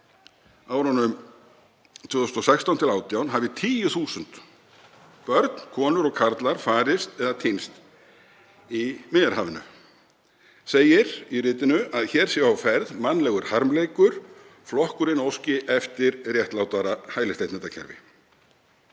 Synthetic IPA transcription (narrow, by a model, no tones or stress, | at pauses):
aːwɾanːʏm | t̪ʰv̥ʏːðʏsnt̪ɔsɛjkst̪awnt̪ʰɪlaːwt̪jawnɦaːvɪt̪ʰiːjʏθuːsʏnt̪ | pœɾt̪n̥kʰɔːnʏɾɔɣkʰaɾt̪laɾ̥faːɾɪst̪ɛðat̪ʰejnst̪ | imɪːjaɾ̥haːvɪnʏ̰ | seːjɪɾ̥irɪːt̪ɪnʏaðçɛːɾ̥sjɛvawfɛɾðmanːlɛɣʏɾ̥haɾmleːjkʏɾ̥ | flɔhkʏɾɪnowscɪʔɛft̪ɪɾrjɛht̪lawt̪aɾahaːjlɪst̪ejht̪ɛt̪acʰɛ̰ɾvɪ̰